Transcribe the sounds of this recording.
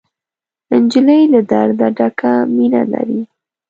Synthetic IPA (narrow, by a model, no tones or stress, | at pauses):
ɪnd͡ʒiləjlad̪aɾd̪aɖakaminala̰ɾi